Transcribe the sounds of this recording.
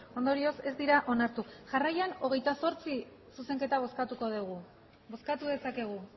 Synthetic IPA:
o̞nd̪o̞ɾio̞se̞zd̪iɾaʔo̞naɾt̪uʝarajano̞ɣ̞e̞jt̪aso̞ɾt͡si | suse̞ŋke̞t̪aβo̞skat̪uko̞ðeɣu | bo̞skat̪uðe̞sake̞ɣ̞u

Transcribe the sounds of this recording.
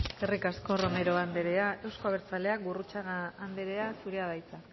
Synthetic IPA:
erikasko̞ro̞me̞ɾo̞and̪eɾeae̞wsko̞aβ̞e̞ɾt͡sale̞ak̚burut͡saɣːnd̪eɾe̞asuɾe̞aðajt͡sa

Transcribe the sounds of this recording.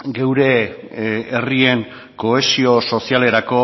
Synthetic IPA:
ɡe̞wɾe̞ | erie̞ŋ | ko̞esio̞so̞siale̞ɾako̞

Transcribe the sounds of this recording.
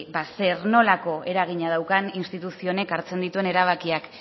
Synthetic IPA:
base̞ɾno̞lako̞ʔe̞ɾaɣ̞iɲað̞awkaninst̪it̪usio̞ne̞kaɾt͡se̞nd̪it̪ue̞ne̞ɾaβ̞akiak

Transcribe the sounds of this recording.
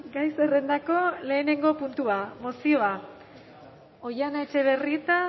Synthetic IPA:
ɡajse̞re̞nd̪ako̞le̞ːne̞ŋɡo̞punt̪uamo̞sio̞a | o̞janaet͡ʃe̞β̞e̞rit̪a

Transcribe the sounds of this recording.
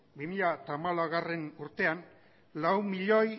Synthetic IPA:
bimiʎat̪amalaɣare̞nuɾt̪e̞an | lawmiʎo̞j

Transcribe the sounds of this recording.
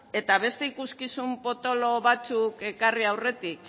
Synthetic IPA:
e̞t̪aβe̞st̪e̞ikuskisumpo̞t̪o̞loβat͡suke̞kariawre̞t̪ik

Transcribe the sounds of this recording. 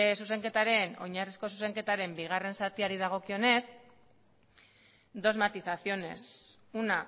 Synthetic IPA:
suse̞ŋke̞t̪aɾe̞no̞ɲarisko̞s̬use̞ŋke̞t̪aɾe̞mbiɣ̞are̞nsat̪iaɾiðaɣ̞o̞kio̞ne̞s | d̪o̞zmat̪iθaθio̞ne̞̰s | una

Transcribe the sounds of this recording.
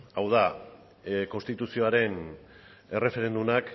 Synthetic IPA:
awða | ko̞nst̪it̪usio̞aɾe̞n | e̞re̞fe̞ɾe̞nd̪unak

